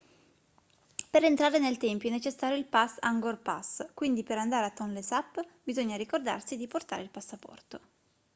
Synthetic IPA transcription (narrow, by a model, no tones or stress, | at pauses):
peɾent̪ɾaːɾenelt̪ɛmpjoɛnːet͡ʃesːaːɾjoilpasaŋɡorpa̰skwind̪ipeɾand̪aːɾeat̪ːɔnlesapːbizoɲːaɾikord̪a̰rsid̪iport̪a̰ːɾeilpasːapɔ̰rt̪o